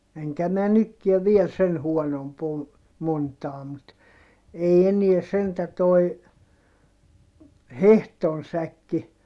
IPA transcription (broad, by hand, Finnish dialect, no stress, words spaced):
eŋkæ mæ nykːiɛ ʋiel sen huonomp o montɑː mut ei eniɛ sentæ toi hehton sækːi